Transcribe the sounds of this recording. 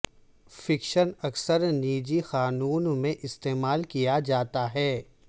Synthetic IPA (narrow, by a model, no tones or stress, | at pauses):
fɪkʃənɐksəɾniːd͡ʒixaːnuːnmẽʔɪst̪eːmaːlkijad͡ʒaːt̪aɦɛː